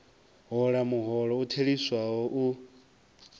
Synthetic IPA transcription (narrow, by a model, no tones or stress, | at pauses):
ɦɔɺamuɦɔɺɔutʰeɺiswaɦɔʔu